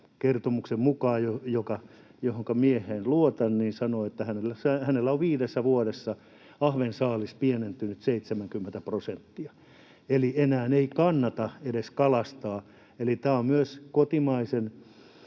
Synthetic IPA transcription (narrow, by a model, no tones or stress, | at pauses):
kert̪omuksemmukɑːjojokɑ | johoŋkɑmieheːnluot̪ɑnniːnsɑnoet̪ːæhænelːæsɑhænelːæoʋʋiːdesːæʋuoɾesːɑ | ɑhʋensɑːlispienent̪ynyt̪seit̪semæŋkymːent̪æprosent̪ːiɑ | elienæːneikɑnːɑt̪ɑedeskɑlɑst̪ɑː | elit̪æːommyøskot̪imɑisen